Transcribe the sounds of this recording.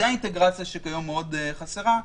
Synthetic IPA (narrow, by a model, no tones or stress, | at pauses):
eaint̪eɡʁat͡sjaʃekajo̞mːeodeχaseʁa